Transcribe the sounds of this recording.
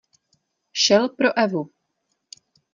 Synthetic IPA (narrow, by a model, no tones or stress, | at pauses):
ʃɛlpɾoʔɛvu